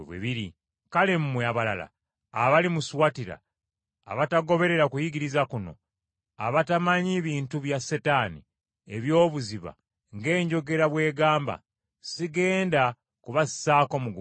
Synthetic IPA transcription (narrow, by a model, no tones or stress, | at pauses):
βwḛβiɾi | kale̞mumweaβala̰la̰ː | βalimuswatiɾa̰ː | βataɡo̞βe̞ɾe̞ɾakujiɡiɾizakuno̞̰ | a̰βatamaɲiβiːntuβjasetaːni | eβjo̞ːβuziβa̰ | ŋɡe̞ːɲɟo̞ɡe̞ɾaβwe̞ːɡaːmba̰ | siɡe̞ːnda | kuβasi̥saːko̞muɡu